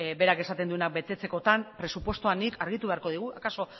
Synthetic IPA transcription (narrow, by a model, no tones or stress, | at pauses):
be̞ɾake̞sat̪e̞nd̪ue̞nak̚be̞t̪e̞t͡se̞ko̞t̪anpɾe̞supwe̞st̪uanikaɾɣ̞it̪uβe̞aɾko̞ð̞iɣ̞uakaso̞